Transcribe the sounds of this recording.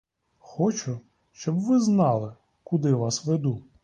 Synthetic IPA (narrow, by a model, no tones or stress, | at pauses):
xɔt͡ʃʊ | ʃt͡ʃɔbʋɪznɑlˠɪ | kʊd̪ɪʋɑsʋed̪u